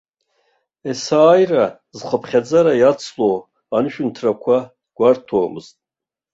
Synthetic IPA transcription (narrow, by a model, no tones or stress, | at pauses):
esaːjra | zχəpʰχʲad͡zaɾajat͡sʰlo̞w | anɨʃᶣʊntʰrakʷʰa | ɡ̥ʷartʰoːmɨ̰ztʼ